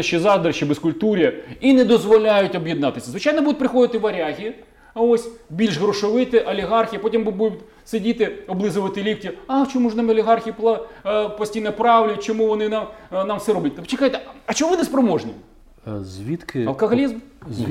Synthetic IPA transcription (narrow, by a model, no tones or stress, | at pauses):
ʃizɑd̪ɾɐʃibɛskʊlʲt̪uɾʲiɐinɛd̪ɔzʋɔlʲajʊtʲɔbjɪd̪nɑt̪ɪsʲɐzʋɪt͡ʃajnɔbud̪ʊt̚ʲpɾɪxɔd̪ɪt̪ɪʋɐɾʲaɦʲi | ɐɔsʲbʲilʲʃɣɾɔʃɔʋɪt̪ɪʔɐlʲiɦɑrxʲijpɔtʲimbud̪ʊt̪ʲ | sɪdʲit̪ɪɔblˠɪzʊʋɐt̪ɪlʲipʲtʲiat͡ʃɔmuʐnɑmɐlʲiɦɑrxʲiplˠpɔsʲtʲijnɐpɾɑwlʲʊjt̚ʲt͡ʃɔmuʋɔnɪnamnɑmfsɛɾɔbʲɐt̚ʲt̪pt͡ʃɪkajt̪ɛɐt͡ʃɔɔʋɪnɛspɾɔmɔʐnʲḭ | zʲʋʲit̪kɪɐlˠkɐɦɔlʲizm